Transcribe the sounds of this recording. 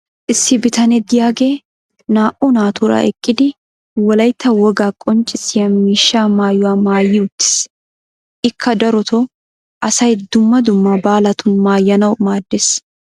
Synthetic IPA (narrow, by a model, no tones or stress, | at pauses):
ʔɪsːɪbɪt̪ɐnɛd̪ɪjaːɡeː | naːʔunaːt̪ʰuːɾɐ̰ʔɛkʼːɪd̪ɪ | wɔlɐjt̪ːɐwɔɡaːkʼɔnt͡ʃʼːɪsɪjɐmiːʃːaːmaːjːʊwaːmaːjːɪʊt̪ːɪ̥s | ʔɪkʰːɐd̪ɐɾʊt̪ʰo | ʔɐsɐjd̪ʊmːɐd̪ʊmːɐbaːlɐt̪ʊnmaːjːɐnɐwmaːd̪ːes